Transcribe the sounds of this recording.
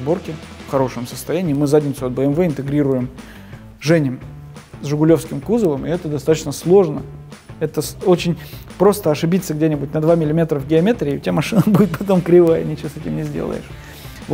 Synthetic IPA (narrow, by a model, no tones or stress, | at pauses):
bo̞rkʲɪ | fxɐɾo̞ʂɨmsəst̪ɐjænʲɪːmɨzadʲnʲɪt̪sʊɐt̪̚bəɛmvɛɪnt̪ɨɡɾʲiɾʊjɪm | ʐɛnʲɪm | zʐʊɡʊlʲo̞fskʲɪmkuzəlˠəmʔɪɛt̪əd̪ɐst̪at̪ət͡ɕnəslˠo̞ʐnəɛt̪əso̞t͡ɕɪnʲpɾo̞st̪əɐʂɨbʲit̪sːəɡdʲenʲɪbʊt̚ʲnɐd̪vamʲɪlʲɪmʲe̞t̪ɾəvɡʲɪɐmʲe̞t̪ɾʲɪːʊ̰tʲɪamɐʂɨnəbudʲɪt̪̚pɐt̪o̞mkɾʲɪvajə̰nʲɪt͡ɕɪvosɛtʲɪmnʲɪzʲdʲḛlˠə̰jɪ̰ʂ | v